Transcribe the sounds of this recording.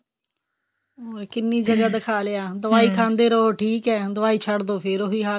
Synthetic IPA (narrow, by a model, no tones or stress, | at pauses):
oːɛːkɪnːiːd͡ʒəɡaːd̪ɪkʰaːleaːd̪əʋaːiːkʰãːnd̪eːɾoːʈʰiːkɛːd̪əʋaːiːt͡ʃʰəɽd̪oːpʰɪɾoːɦiːɦaː